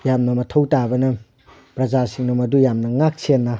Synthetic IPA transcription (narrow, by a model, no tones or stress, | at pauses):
jamnɐmɐtʰɐwtabɐnɐ | pɾɐzasiŋnɐmɐdujamnɐŋak̚senːa